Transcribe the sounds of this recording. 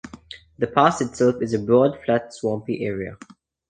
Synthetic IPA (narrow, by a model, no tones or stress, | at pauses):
ðəpʰaˑsɪtsɛlˠfɪzəbɹɔːdflatswɔ̃mpiʔɛːɹiə̰